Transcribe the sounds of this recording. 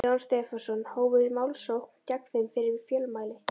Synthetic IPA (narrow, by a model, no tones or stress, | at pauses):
ɔwnst̪ɛːfasɔnːhoːwvʏmaːwlsowhkcakθɪmfɪɾɪɾfjœːlmaːjlɪ